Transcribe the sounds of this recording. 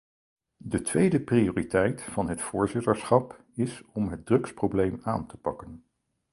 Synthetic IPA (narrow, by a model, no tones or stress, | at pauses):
dətʋejdəprioːritɛjtfɑnɦətfʊːɹzɪtəɹsχɑp | ɪsɔmɦəd̚drɵksprowblejma̰ːntə̥pɑkən